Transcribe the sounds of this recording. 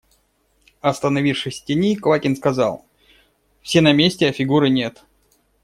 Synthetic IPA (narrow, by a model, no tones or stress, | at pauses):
ɐst̪ənɐvʲifʂɨsʲtʲɪnʲikvakʲɪnskɐzɑ̰lˠ | fsʲenɐmʲesʲtʲɪɐfʲɪɡuɾɨnʲe̞t̪